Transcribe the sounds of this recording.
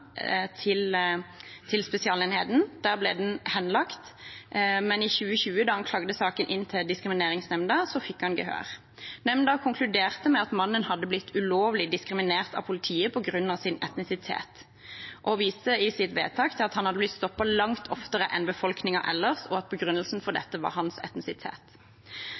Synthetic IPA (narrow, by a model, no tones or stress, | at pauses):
t̪ʰɪl | t̪ʰɪlspɛsɪɑːlenheːd̪n̩d̪̥æːʁblɛːd̪ɛnhɛnlɑkt̪ | mɛnɪçʉːəçʉːəd̪ɑhɑnkʰlɑːɡd̪əsɑːkənʔɪnːt̪ʰɪld̪ɪskʁɪmɪneːʁɪŋsnɛmnd̪ɑsɔfɪkːhɑnɡəhø̰ːʁ | nɛmnd̪ɑkʰʊŋkʰlʉd̪eːʁt̪əmɛɑt̪mɑnːənhɑd̪ːəblɪt̪ʰːʉloːʋlɪd̪ɪskɾɪmɪneːʁt̪ɑ̰ʋpʰʊlɪt̪ʰiːəpʰɔɡʁʉnːɑʋsɪnɛ̰t̪nɪsɪt̪ʰḛːt̪ | ʔɔʋiːst̪əɪsɪt̪ʋḛːt̪ʰɑːkt̪ʰɪlɑt̪hɑnhɑd̪əblɪt̪st̪ɔpːɑlɑŋt̪ʰɔft̪əʁəʔɛnbəfɔlknɪŋɑ̰ʔɛ̰lːəʁsɔɑt̪̚pʰɔɡɾʁʉnːəlsn̩fɔʁd̪ɛt̪ːəʋɑ̰ʁhɑnsɛ̰t̪nɪsɪt̪ʰḛːt̪